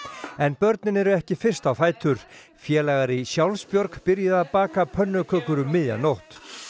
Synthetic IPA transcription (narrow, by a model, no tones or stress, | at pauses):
ɛnpœɾt̪nɪnɛɾʏɛhcɪfɪr̥st̪awθaːjt̪ʏɾ̥ | fjɛːlaːɣaɾisjawlspjɔɾkpɪɾjɪðapaːkapʰœnːʏkʰœːkʏɾʏːɪðja̰nowht̪